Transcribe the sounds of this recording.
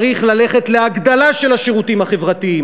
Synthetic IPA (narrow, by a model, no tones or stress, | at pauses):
ʁiχlale̞χe̞tleaɡd̪alaʃe̞laʃeʁutimhaχe̞vʁat̪ii